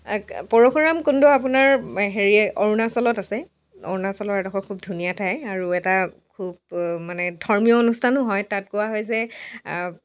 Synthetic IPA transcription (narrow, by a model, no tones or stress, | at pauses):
pɔɹɔxɔɹamkundɔap̬unaɹɦeɹiɛʔɔɹunasɔlɔtasɛ | ɔ̰ɹunasɔlɔtɛtakʰɔkʰubdʱunijatʰajaɹuɛtakʰub̚manɛdʱɔɹmijɔonustʰanʊɦɔjtat̚kʊwaɦɔjzɛ